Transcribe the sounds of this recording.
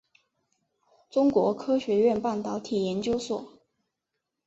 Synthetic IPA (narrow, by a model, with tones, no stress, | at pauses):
ʈ͡ʂʊ˥ŋkwɔ˧˥kʰɤ˥ɕɥɛ˧˥ɥɛ˥˧npa˥˩nt̪ɑ˧˥ʊt̪ʰi˨˩jɛ˧˥nt͡ɕjo˥ʊswɔ˨˩˦